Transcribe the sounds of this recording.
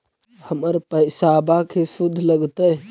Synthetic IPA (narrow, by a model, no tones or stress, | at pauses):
həməɾpəɪsaːbakʰesʊd̪ʱləɡt̪ə